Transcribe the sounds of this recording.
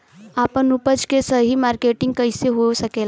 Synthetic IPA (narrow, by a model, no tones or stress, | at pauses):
aːpənupəd͡ʒkesəɦimaːɾkeʈɪ̃ŋɡ̚kəjseɦosəkeːla